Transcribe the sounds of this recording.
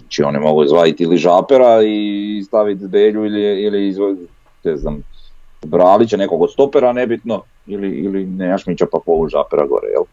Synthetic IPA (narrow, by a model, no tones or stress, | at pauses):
t͡ʃio̞̰nimo̞ɡuizʋlaːjit̪iliʒaːpeɾaist̪aʋit̪zbeːʎuiliiliizʋo | nɛznaːm | bɾaːlit͡ɕenekoɡt̪st̪o̞peɾanebit̪no | iliḭlineːmaʃmit͡ɕapapoluʒa̰ːpeɾa̰ɡo̰ɾɛ̰jḛl